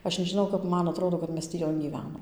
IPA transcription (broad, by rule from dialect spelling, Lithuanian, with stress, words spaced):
ˈɐʃ nʲɛʒʲɪˈnɐʊ kɐp ˈmɐn ɐˈtroːdoː kɐt ˈmʲɛs tʲiː ˈjoːn ɡʲiːˈʋʲæːnoːm